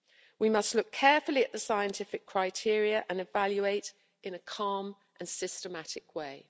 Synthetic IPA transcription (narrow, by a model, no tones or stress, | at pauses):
wimʌstlʊkʰːɛːfəliəʔðəsaɪə̃ntʰɪfɪkʰɹ̥aɪtʰɪəɹiəʔə̃nɪvaljueɪt | ʔɪ̃nəkʰɑːm | ʔə̃nsɪstəmatɪkʰweɪ